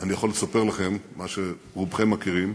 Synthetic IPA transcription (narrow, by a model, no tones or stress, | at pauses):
anijaχo̞lːesape̞ʁlaχe̞mːaʃe | ʁubχemːakiʁim